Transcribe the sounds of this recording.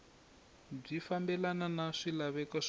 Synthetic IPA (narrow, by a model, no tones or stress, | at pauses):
b͡ʐifambɛlananaʂilaβɛkɔʂ